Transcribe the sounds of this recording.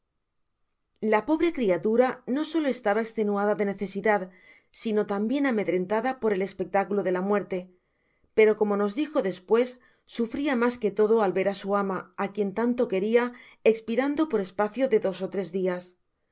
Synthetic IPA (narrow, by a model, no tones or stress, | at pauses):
lapo̞βɾe̞kɾiat̪uɾano̞so̞loe̞st̪aβaekst̪e̞nuaðaðe̞ne̞θe̞siðað | sino̞t̪ambje̞name̞ðɾe̞nt̪aðapo̞ɾe̞le̞spe̞k̚t̪akuloð̞e̞lamwe̞ɾt̪e̞ | pe̞ɾo̞ko̞mo̞no̞zd̪ixo̞ðe̞spwe̞sː | ufɾiamaske̞t̪o̞ðo̞alβe̞ɾasuamaakje̞nt̪ant̪o̞ke̞ɾia | ekspiɾand̪o̞po̞ɾe̞spaθjo̞ðe̞ðo̞so̞t̪ɾe̞zðias